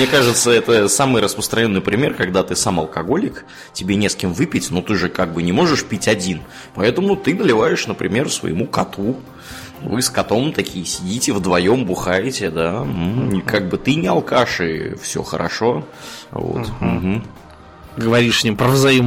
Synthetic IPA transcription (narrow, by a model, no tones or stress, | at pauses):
mnʲekaʐɨt̪səɛt̪əsamɨjɾəspɾə̥st̪ɾɐnʲo̞nːɨjpɾʲɪmʲe̞rkɐɡd̪at̪ɨsamɐlˠkɐɡo̞lʲɪk | tʲɪbʲenʲe̞skʲɪmvɨpʲɪtʲnot̪ɨʐɨkaɡ̚bɨnʲɪmo̞ʐɨʂpʲitʲɐdʲin | pɐɛt̪əmʊt̪ɨnəlʲɪvajɪʂnəpɾʲɪ̰mʲe̞rsvə̰jɪmukɐt̪u | vɨskɐt̪o̞mt̪ɐkʲijəsʲɪdʲitʲɪvd̪vɐjombʊxajɪtʲɪd̪am̩kaɡ̚bɨt̪ɨnʲɪɐlˠkaʂɨ̰fsʲo̰xə̰ɾʔɐ̰ʂo̞vo̰t̪m̩ɦ̩ | ɡəvɐɾʲiʂsʲnʲimpɾəvzɐim